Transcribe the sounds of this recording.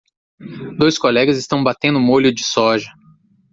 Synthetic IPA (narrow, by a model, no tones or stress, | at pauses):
d̪ojskolɛɡɐzɪst̪ɐ̃w̃bat̪ẽnd̪ʊmolʲʊd͡ʒɪsɔʒɐ